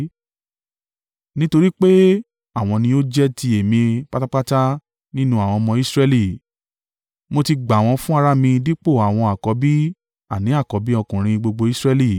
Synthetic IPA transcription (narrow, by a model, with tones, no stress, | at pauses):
nĩ˦to˧ɾi˦k͡pe˦ | a˦˨w̃ɔ̃˧nĩ˧o˦d͡ʒɛ˦ti˧e˨mĩ˧k͡pa˦ta˦k͡pa˦ta˦ | nĩ˦nũ˦a˨w̃ɔ̃˧mɔ̃˧i˦sɾɛ˦li˦˨ | mo˧ti˧ɡ͡ba˨w̃ɔ̃˧fũ˦a˧ɾa˦mĩ˧di˦k͡po˦˨a˨w̃ɔ̃˧a˨kɔ˨˦bi˦ | a˦˨nĩ˨˦a˦˨kɔ˨˦bi˦ɔ˧kũ˨ɾ̃ĩ˧ɡ͡bo˧ɡ͡bo˧i˦sɾɛ˦li˦˨